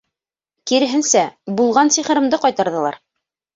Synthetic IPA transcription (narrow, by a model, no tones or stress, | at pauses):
kiɾɘ̆ɦɘ̆nsæbulˠʁɑnsiχɤ̆ɾɤ̆md̪ɤqɑjt̪ɑɾðɤ̆lˠɑ̰ɾ